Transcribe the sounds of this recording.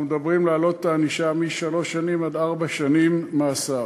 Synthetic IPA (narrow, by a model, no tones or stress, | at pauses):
med̪abʁimlaːlo̞t̪t̪aːniʃamiʃalo̞ʃːanimadaʁbaʃanimːaːsa